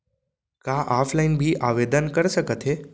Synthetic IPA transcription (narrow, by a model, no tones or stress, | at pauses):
kaʔaːpʰlaɪnbʱiʔaʋed̪ənkəɾsəkət̪ʰe